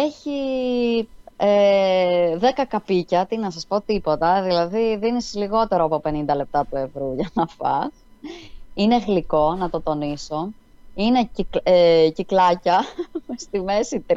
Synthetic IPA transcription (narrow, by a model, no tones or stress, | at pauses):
e̞çi | e | ðekɐkɐpicɐt̪inɐsɐspo̞t̪ipo̞t̪ɐðilɐðiðinisiliɣo̞t̪e̞ɾoɐpo̞pe̞nind̪ɐle̞p̚t̪ɐple̞vɾuʝɐnɐfɐ̰s | ine̞ɣliko̞nɐt̪o̞t̪o̞niso̞ | ine̞eciklɐcɐst̪ime̞sit̪ɾ